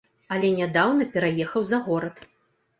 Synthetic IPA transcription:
ɐlʲɛnʲad̪awnɐpʲɛɾajɛxɐwzɐɣɔɾɐt̪

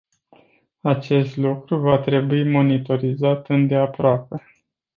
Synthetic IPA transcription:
at͡ʃe̞st̪lukɾuvat̪ɾe̞buimo̞nit̪o̞ɾizat̪ɨnd̪e̞apɾoape̞

